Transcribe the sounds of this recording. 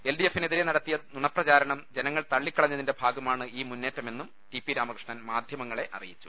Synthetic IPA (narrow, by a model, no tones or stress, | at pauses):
elɖiefːineðiɾenɐɽɐt̪ːijɐnuɳɐprɐt͡ɕaːɾɐɳɐmd͡ʑe̞nɐŋːɐɭt̪ɐɭːikʲːɐɭɐɲːɐðinde̞bʱaːɡɐmaːɳɨiːmunːe̞ːtːɐme̞nːum | ʈipiɾaːmɐkrɨʂɳaːnmaːd̪ʱjɐmɐŋːɐɭe̞ʔɐ̰rḭjit͡ɕːu̥